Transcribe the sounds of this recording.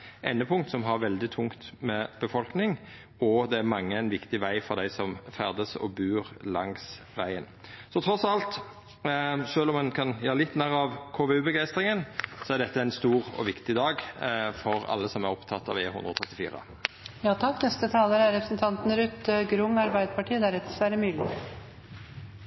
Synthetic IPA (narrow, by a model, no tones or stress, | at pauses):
ʔɛnːəpʰʊŋt̪sɔmɦɑɾʋɛld̪ɪt̪ʰʊŋt̪mɛb̥əfɔlknɪŋ | ɔd̪ɛæɾmɑŋːəæɪnʋɪkt̪ɪʋæɪfɔɾd̪æɪsɔmfæʁd̪əsɔ̰bʉːɾlɑŋs | ʋæɪənsɔt̪ʰɾɔsɑlt̪ | ʂøːlɔmːɑnkʰɑnjæːɾəlɪt̪ːnæːʁɑʋkʰoːʋɛʉːbəɡæɪst̪ɾɪŋənsɔæɖ̪ɛt̪ːəæɪnst̪uːɾɔ̰ʋɪkt̪ɪd̪ɑːɡfɔɾɑ̰lːəsɔmæɾɔpt̪ʰɑt̪ːɑ̰ʋḛːhʉnd̪ɾəɔt̪ʰɾɛt̪ːɪfiːɾə̰ | jɑːt̪ʰɑkːnɛst̪ət̪ʰɑːləɾæɾɛpɾəsnt̪ʰɑnt̪n̩əɾʉt̪ːəɡɾʊŋːɑɾbæɪd̪əpʰɑʈʰiːd̪æɾɛt̪əsʋæːɾəmyːlɪ